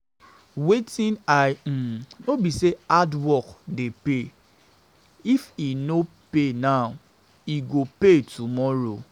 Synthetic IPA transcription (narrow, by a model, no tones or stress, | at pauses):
wetĩnam̩nobiseadwɔkdepe | ifino | penaw | iɡopetumɔɾo